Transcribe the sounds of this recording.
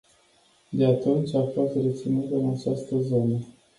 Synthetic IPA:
d̪e̞at̪unt͡ʃʲafost̪ret̪sinut̪əɨnat͡ʃast̪əzo̞nə

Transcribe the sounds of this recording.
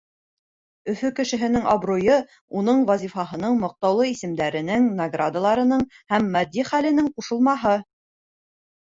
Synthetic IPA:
ɵ̆fɵkɘ̆ʃɘ̆ɦɘ̆nɘŋɑbrujɤ | unɤɴvwɑzʲifɑɦɤ̆nɤɴmɤ̆q̚t̪ɑwlˠɤisɘ̆md̪æɾɘ̆nɘŋnɐɡrad̪alˠɑɾɤ̆nɤɴ | hæmːæd̪ːiχælɘ̆nɘŋquʃɤ̆lˠmɑɦɤ

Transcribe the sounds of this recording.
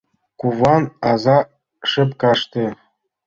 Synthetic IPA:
kuʋɑnɑzɑ | ʂɘ̆pkɑʂt̪ʲɘ̆

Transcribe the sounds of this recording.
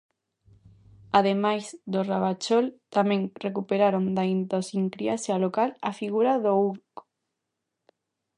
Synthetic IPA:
að̞emajzðoraβat͡ʃolt̪amẽŋrekupeɾaɾond̪aint̪osiŋkɾiasalokala̰fiɣuɾaðouɾk

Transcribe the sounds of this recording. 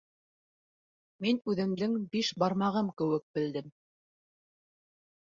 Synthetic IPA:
minʉðɘ̆md̪ɘŋbiʃbɑɾmɑʁɤmkɘ̆wɘk̚bɘ̆ld̪ɘm

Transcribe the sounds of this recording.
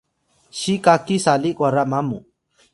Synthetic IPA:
ʃikakisalikʼwaɾamamṵ

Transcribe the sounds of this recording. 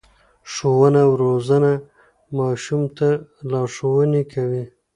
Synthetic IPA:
ʂowənawɾozana | mɑːʃumt̪alɑʂowənekʰawi

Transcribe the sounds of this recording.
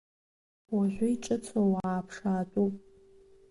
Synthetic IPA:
waʒʷʊiʈ͡ʂʼɨt͡sʰowaːpʰʂaːtʷʼupʼ

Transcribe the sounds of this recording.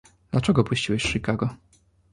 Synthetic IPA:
d̪lat͡ʂɛɡɔpuɕt͡ɕiwɛɕʂikaɡɔ

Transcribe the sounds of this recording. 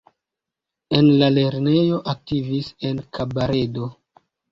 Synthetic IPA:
e̞nlale̞ɾne̞jo̞ʔak̚tivise̞nkabaɾe̞do

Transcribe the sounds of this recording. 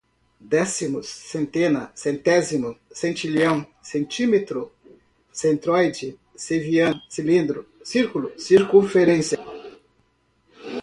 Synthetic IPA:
d̪ɛsimʊsːẽnt̪ẽnɐsẽnt̪ɛzimʊsẽnt͡ʃilɐ̃w̃sẽnt͡ʃimet̪ɾʊ | sẽnt̪ɾɔjd͡ʒɪ | seviɐ̃silĩnd̪ɾʊsiɾkulʊsiɾkõfeɾẽnsjɐ

